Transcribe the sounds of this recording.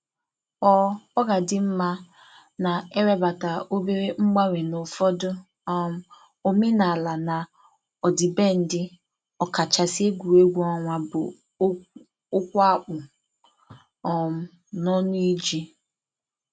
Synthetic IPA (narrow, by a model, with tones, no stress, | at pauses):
ɔ˦ɔ˦ɡa˨dɪ˦m̩˦ma˦ | na˨e˦ɾe˦ba˨ta˨ʔo˦be˦ɾe˦ŋ͡m̩˦ɡ͡ba˦ɾe˨nʊ˨fɔ˦dʊ˦ | ɔ˦m̩˦ | o˦me˦na˨la˨na˨ | ɔ˨dɪ˨be˦n̩˦dɪ˦ | ɔ˨ka˨t͡ʃa˨si˦e˦ɡʷu˨e˦ɡʷu˦ɔ˨ŋʷa˨bʊ̰˨˦ | ʊ˦kʷa˦k͡pʊ˨ | ɔ˦m̩˦ | nɔ˦nʊ˦i˦d͡ʒi˦